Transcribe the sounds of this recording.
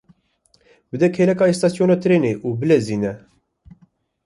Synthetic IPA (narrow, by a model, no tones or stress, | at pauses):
bɨd̪ɛkʰeːlɛkɑːist̪ɑsjoːnaːt̪ʰɾeːneːʔuːbɨlɛziːnɛ